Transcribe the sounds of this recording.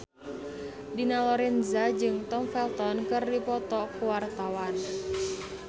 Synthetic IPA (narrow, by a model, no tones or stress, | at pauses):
dinalɔɾɛnzad͡ʒɨŋt̪ɔmfɛlt̪ɔnkɨrdipɔt̪ɔkuwart̪awan